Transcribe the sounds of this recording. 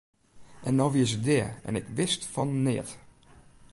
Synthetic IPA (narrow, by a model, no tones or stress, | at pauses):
ʔɛndɔʋiəsədɪəɛ̰nɪkʋɪstfɔnːɪət